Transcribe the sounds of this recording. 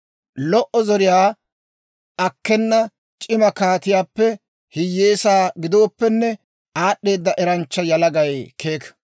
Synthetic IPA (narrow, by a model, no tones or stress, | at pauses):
lɔʔɔzɔɾɪjaː | ɐkːɛnːɐ | t͡ʃʼɪmɐkaːt̪ɪjaːpːɛ | hɪjːeːsaːɡɪd̪oːpːɛnːɛ | aːɗːe̞ːd̪ːɐʔɛɾɐnt͡ʃːɐjɐlɐɡɐjkʰe̞ːk